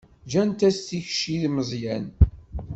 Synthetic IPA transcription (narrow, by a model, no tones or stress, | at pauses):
d͡ʒænt̪æsθiçʃiðməzˤjæn